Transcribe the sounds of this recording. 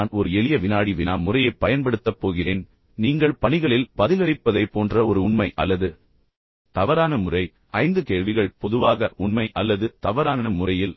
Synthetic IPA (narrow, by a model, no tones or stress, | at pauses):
nɔɾɯɛɭɪjɐʋɪnaːɽiʋɪnaːmʊrɐjɐɪpːɐjɐnpɐɽɯt̪ːɐpːoːɣɪreːn | niːŋɡɐɭpɐɳɪɣɐɭɪlpɐðɪlɐɾɪpːɐðɐɪpːoːndrɐɔɾɯʊɳmɐɪʔɐ̰lːɐðɯ | t̪ɐʋɐɾaːnɐmʊrɐɪ | ʔɐɪnd̪ɯkeːɻʋɪɣɐɭpɔðɯʋaːɣɐʔʊɳmɐɪʔɐlːɐðɯt̪ɐʋɐɾaːnɐmʊrɐjɪl